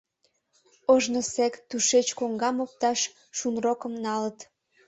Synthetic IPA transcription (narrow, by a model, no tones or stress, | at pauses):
oʒnosekt̪uʃet͡ɕkoŋɡɑmop̚t̪ɑʃː | unrokə̆mnɑlət̪